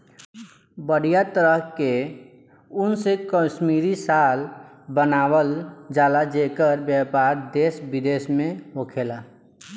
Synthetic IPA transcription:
bəɽ̤ijat̪əɾəɦke | ʊnsekəsmiɾisal | bənawəld͡ʒalad͡ʒekəɾbjapaɾd̪esbid̪esmẽɦokʰela

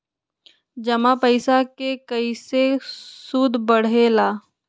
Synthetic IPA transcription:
d͡ʒɐmapəɪsakekəisesud̪ʱbəɽ̤elaː

